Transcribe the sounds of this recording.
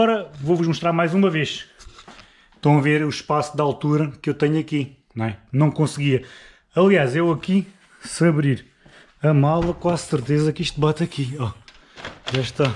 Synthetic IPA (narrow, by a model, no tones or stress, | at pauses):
ɔɾɐvovuʒmuʃt̪ɾaɾmajzumɐveʃ | ʃt̪ɐ̃w̃ɐveɾuʃpasud̪alˠt̪uɾɐkewt̪ɛɲɐki | nɐ̃w̃ɛnɐ̃w̃kõsɣiɐ | ɐlˠiaʃewɐki | sɐβɾiɾ | ɐmalˠɐkwazsɨɾt̪ezɐkiʃt̪bat̪ɐkiɔ | ʒaʃt̪a